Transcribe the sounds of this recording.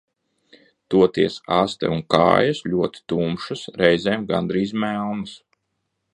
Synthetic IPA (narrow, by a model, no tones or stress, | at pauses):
t̪uɔt̪iɛsast̪ɛ̰unka̰ːjɐsʎʲuɔt̪i̥t̪uːmʃasɾɛjzʲɛːmɡa̰nd̪ɾiːzmælˠnɨs